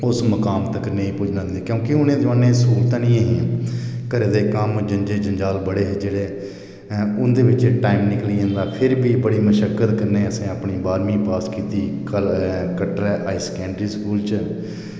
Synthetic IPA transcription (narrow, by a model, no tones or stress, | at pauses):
ʊsməkaːmt̪əkːneĩːpuːd͡ʒnãːd̪eːkjõːkɪʊnẽːzʋaːnẽːsuːlt̪ãːnĩːaɦĩːkəɾeːd̪eːkəmd͡ʒəɲd͡ʒeːd͡ʒəɲd͡ʒaːlbəɽeːɦd͡ʒeːɽeː | ʊnd̪eːʋɪt͡ʃʈaːɪmnɪkliːə̃ːnd̪aːpʰɪɾbiːbəɽiːməʃəkːət̪kəɾneːəsẽːəpɳiːbaːɾmĩːpaːskiːt̪iːkəkəʈɾɛːʔaːɪskɛ̃ːɳɖɾiːskuːlt͡ʃ